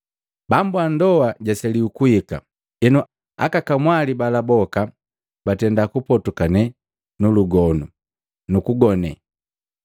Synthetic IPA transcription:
bambuandɔwaɟasɛliukuhika̰ | ɛnɔ | a̰kakamwalibalabɔka | batɛndakupɔtukanɛ | nuluɡɔnu | nukuɡɔnɛ

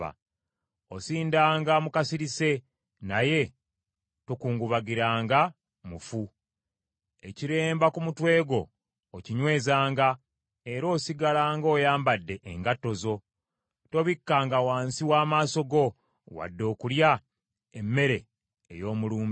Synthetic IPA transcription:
a̰ | osiːndaːŋɡamukasiɾise̞ | naje̞ | tokuːŋɡuβaɡiɾaːŋɡa | mufu | e̞ciɾe̞ːmbakumutwe̞ːɡo̞ː | ciɲwe̞ːzaːŋɡa | e̞ɾo̞ːsiɡalaːŋɡo̞ːjaːmbadːe̞ʔːŋɡatːo̞zo̞ | to̞βikːaːŋɡawaːnsiwaːmaːso̞ɡo̞ | wa̰dːo̞ːkulja | emːe̞ɾe̞ | ḛjo̞ːmuluːmb

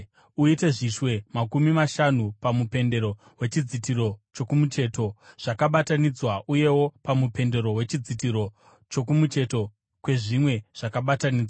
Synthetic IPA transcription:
uite̞ʐiʃwe̞makumimaʃanupamupe̞nde̞ɾo̞ | we̞t͡ʃid͡zit̬iɾo̞t͡ʃo̞kumut͡ʃe̞ːto̞ʐ̥akaɓatanid͡zwaʔuje̞wo̞pamupe̞nde̞ɾo̞we̞t͡ʃid͡zit̬iɾo̞ | t͡ʃo̞kumut͡ʃe̞to̞ | kwe̞ʐimwe̞ʐ̥akaɓataniːd͡zwa

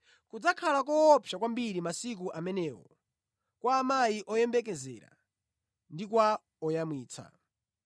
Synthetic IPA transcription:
kud͡zakʰalakɔːpʰjakwambiɾimasik̬uʔamɛnɛːwɔ̰ | kwaːmaiʔɔjɛmbɛkɛzɛ̰ːɾa̰ | ndikwa | ɔjamwiːt͡sʰa̰

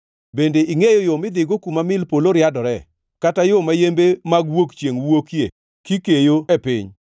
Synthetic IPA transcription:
bendeʔiŋejɔjomɪd̪ɪɡokumamɪlpoloɾjadɔɾɛ | katajomajembemaɡwokt͡ʃjeŋwokje | kikejoepɪɲ

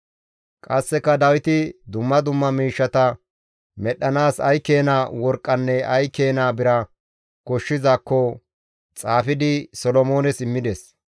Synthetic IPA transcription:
kʼɐsːɛkːɐd̪ɐwɪt̪ɪd̪ʊmːɐd̪ʊmːɐmiːʃːɐt̪ɐ | mɛɗɐnaːsɐjke̞ːnaːwɔɾkʼːɐnːɛɐjkeːnaːbɪɾɐ | kɔʃːɪzakːɔ | t͡sʼaːfɪd̪ɪsɔlɔmo̞ːnɛsɪmːɪd̪ɛs

